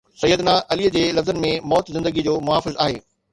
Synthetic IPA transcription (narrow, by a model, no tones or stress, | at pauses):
sɐjːəd̪naʔɐliəd͡ʑeːlɐfzənɪ̆mẽmɔːt̪zɪ̃nd̪əɡid͡ʑoːmʊɦaːfɪzaːɦḛː